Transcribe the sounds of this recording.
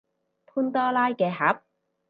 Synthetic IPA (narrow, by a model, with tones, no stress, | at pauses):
pʰuː˥nt̪ɔː˥laː˥jkɛː˧hɐ˨˥p̚